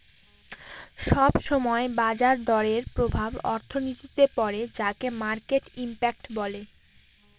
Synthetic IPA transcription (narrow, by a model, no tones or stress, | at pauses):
ʃɔbʃɔmɔebad͡ʑaɾd̪ɔɾeɾpɾobʱabɔ̰ɾt̪ʰonit̪it̪epɔɾed͡ʑakemaɾkeʈimpakʈbɔle